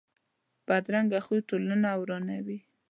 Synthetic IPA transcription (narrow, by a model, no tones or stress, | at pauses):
b̥ad̪ɾaŋɡaxuʈolanawɾɑnawi